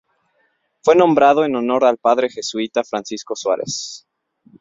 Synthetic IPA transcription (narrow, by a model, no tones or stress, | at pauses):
fwe̞nõ̞mbɾaðo̞e̞no̞no̞ɾalpaðɾe̞xe̞suit̪afɾansisko̞swa̰ɾe̞̰s